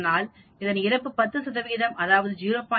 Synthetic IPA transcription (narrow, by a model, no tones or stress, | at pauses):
naːl | ɪðɐnɪɾɐpːɯpɐt̪ːɯsɐðɐʋiːðɐmɐðaːʋɐðɯjuːɾoːpːaː